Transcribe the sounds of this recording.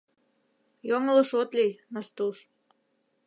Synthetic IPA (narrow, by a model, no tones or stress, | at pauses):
joŋələ̆ʃot̪lʲijnɑst̪uʃ